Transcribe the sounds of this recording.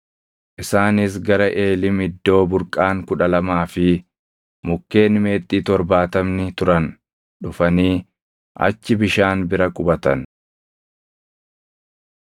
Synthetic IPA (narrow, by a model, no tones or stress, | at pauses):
ʔɪsaːnɪs̬ɡɐɾɐʔe̞ːlɪmɪd̪ːo̞ːbʊɾkʼaːŋkʊᶑɐlɐmaːfɪ | mʊkːe̞ːnme̞ːt̪ʼːiːt̪ɔɾbaːt̪ɐmnɪt̪ʊɾɐn | ᶑʊfɐniː | ʔɐ̰t͡ʃːɪbɪʃaːnbɪɾɐkʼʊbɐt̪ɐn